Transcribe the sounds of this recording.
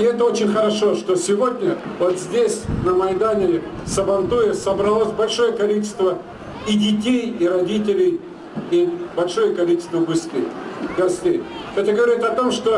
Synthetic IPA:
ɪɛt̪əo̞t͡ɕɪnʲxəɾɐʂo̞ʂt̪o̞sʲɪvo̞dʲnʲəvot̪zʲdʲesʲnəmɐjd̪anʲɪsəbɐnt̪ujəsəbɾɐlˠosʲbɐlʲʂo̞jəkɐlʲit͡ɕɪ̥st̪və | ɪdʲɪtʲejiɾɐdʲitʲɪlʲɪj | ibɐlʲʂo̞jəkɐlʲit͡ɕɪ̥st̪vəbɨskʲḛjɡɐsʲt̪ʲejɛt̪əɡəvɐɾʲit̪ɐt̪o̞mʂt̪o̞

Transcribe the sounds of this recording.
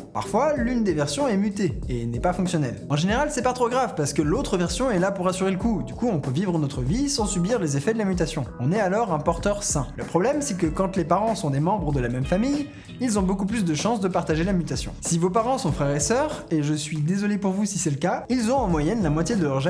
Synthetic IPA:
pa̰ʁfwalynd̪evɛʁsjɔ̃ɛmyt̪eenɛpafɔ̃ksjɔnɛlɑ̃ʒeneʁalsɛpat̪χoɡʁavpaʁsə̥kəlot̪χəvɛʁsjɔ̃ɛlapuʁasyʁeləkud̪ykuɔ̃pøvivʁənɔt̪χəvisɑ̃sybiʁlezefɛd̪əlamyt̪asjɔ̃ɔ̃nɛalɔʁɛ̃pɔʁt̪œʁsɛ̃ləpχɔblɛmsɛkəkɑ̃t̪lepaʁɑ̃sɔ̃d̪emɑ̃bʁəd̪əlamɛmfamij | ilzɔ̃bokup̬lys̬d̪əʃɑ̃sd̪əpaʁt̪aʒelamyt̪asjɔ̰̃sivopaʁɑ̃sɔ̃fχɛʁesœːʁeʒəsɥid̪ezɔlepuʁvusisɛləkailzɔ̃ɑ̃mwajɛnlamwat̪jed̪əlœʁʒa

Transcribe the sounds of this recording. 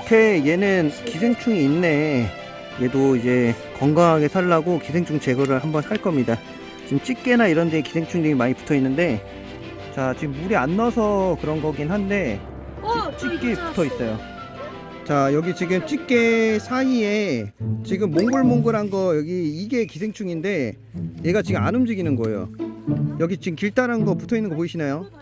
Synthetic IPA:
ʌkʰe̞je̞nɯnkisʰeŋt͡ɕʰuŋiːnːe̞ | je̞doid͡ʑe̞ | kʌŋɡaŋɦaɡe̞sʰaɭːaɡokisʰeŋt͡ɕʰuŋt͡ɕe̞ɡʌɾɯɭɦambʌnsʰaɭk͈ʌmɲida | t͡ɕiɡɯmt͡ɕ͈ik͈̚e̞naiɾʌndeekisʰe̞ŋt͡ɕʰuŋɲiŋimaɲipu̥tʰʌinːɯnde̞ | t͡ɕat͡ɕiɡɯmːuɾianːʌsʰʌkɯɾʌnɡʌɡinhande̞ | it͡ɕ͈ik̚k͈e̞pu̥tʰʌis͈ʌjo | t͡ɕajʌɡit͡ɕiɡɯmt͡ɕ͈ik͈̚e̞sʰaie̞t͡ɕiɡɯmːoŋɡuɭmoŋɡɯɾɦanɡʌjʌɡiːɡe̞kisʰe̞ŋt͡ɕʰuŋinde̞ | je̞ɡat͡ɕiɡɯma̰nɯmd͡ʑiɡinɯnɡʌḛjo̰jʌɡit͡ɕiɡɯmkiɭt͈aɾɦanɡʌputʰʌinːɯnŋɡʌp̬oiɕʰinajo

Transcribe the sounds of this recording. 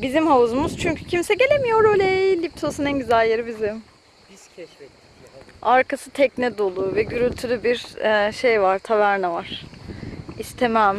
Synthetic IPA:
bizimɦauzumuz̥t͡ʃʰyɲcʰy̥cʰimsɛɟe̞lʲemijo̞ɾøjlʲeilʲːip̚t̪ʰosunɛnɟyzælʲjeɾibizim | aɾkʰasɯt̪ʰɛcnɛd̪o̞lˠuːvɛɟyɾylʲt̪ʰylʲybiɾɛʃe̞jvaɾt̪ʰavæɾnavaɾ̥ | ist̪ʰe̞mæm

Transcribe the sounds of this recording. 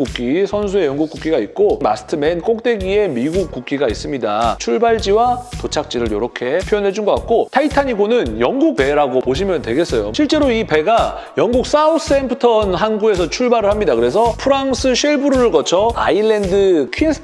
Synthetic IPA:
k͈uk͈isʰʌns̬ʰue̞jʌŋɡuk͈uk͈iɡait̚k͈oma̰sʰɯ̥tʰɯmenk͈ok̚t͈e̞ɡie̞miɡuk̚k͈uk͈̚iɡais͈ɯmɲidat͡ɕʰuɭbaɭd͡ʑiwatot͡ɕʰak̚t͡ɕ͈iɾɯɾjʌɾʌkʰe̞pʰjojʌnɦe̞d͡ʑunɡʌk͈ak̚k͈otʰaitʰaɲiɡonɯnjʌŋɡuk̚pe̞ɾaɡopoɕʰimjʌntweɡe̞s͈ʌjo̰ɕʰiɭt͡ɕ͈e̞ɾoipe̞ɡa | jʌŋɡuk̚s͈aus͈ʰɯempʰɯtʰʌnɦanɡue̞s̬ʰʌt͡ɕʰuɭbaɾɯɭhamɲidakɯɾe̞s̬ʰʌpʰɯɾaŋsʰɯɕʰiɭbuɾuɾɯɭɡʌt͡ɕʰʌa̰iɭːe̞ndɯkʰins

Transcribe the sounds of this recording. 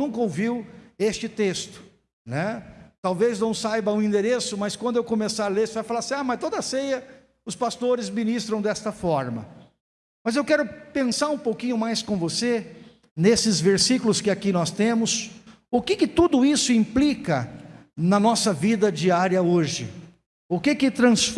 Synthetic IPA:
ũŋkɐowviwest͡ʃɪt̪est̪ʊ̥ | nɛt̪awveznɐ̃w̃sajbɐũĩnd̪eɾesʊmɐskwɐ̃nd̪ʊewkomesaɾlesvajfalaɾsĩamɐst̪od̪ɐsejɐ | ʊspast̪oɾɪzminist̪ɾɐ̃w̃d̪ɛst̪ɐfɔɾmɐ̰ | mɐzewkɛɾʊpẽsaɾũpowkĩɲʊmajskõvose | nesɪzveɾsikʊlʊskɪakinɔst̪ẽmʊs | ʊkɪkɪt̪ud̪ʊisʊĩmplikɐ | nɐnɔsɐvid̪ɐd͡ʒiaɾjɐoʒɪ̰ | ʊkɪkɪt̪ɾɐ̃sf

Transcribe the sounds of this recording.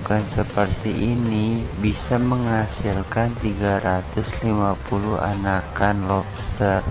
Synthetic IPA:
kansəpərt̪iʔinibisaməŋasilkant̪iɡaɾat̪ʊslimapulua̰nakanlɔpst̪ər

